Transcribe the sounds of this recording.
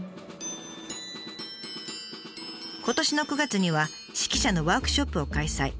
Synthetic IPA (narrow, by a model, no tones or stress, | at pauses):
ko̞t̪o̞ɕino̞kɯ̟ɡat͡sɨɲ̟iβa | ɕi̥kʲiɕano̞βaːkɯ̟̥ɕo̞pːɯ̟o̞kaisaḭ